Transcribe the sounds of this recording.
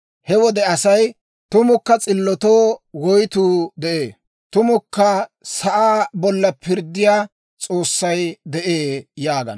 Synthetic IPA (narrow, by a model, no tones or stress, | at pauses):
hɛwɔd̪ɛɐsɐj | t̪ʊmʊkːɐt͡sʼɪlːɔt̪oːwɔjt̪uːd̪ɛʔeː | t̪ʊmʊkːɐsɐʔaːbɔlːɐpʰɪɾd̪ːɪjaː | t͡sʼo̞ːsːɐjd̪ɛʔeːjaːɡɐ̰n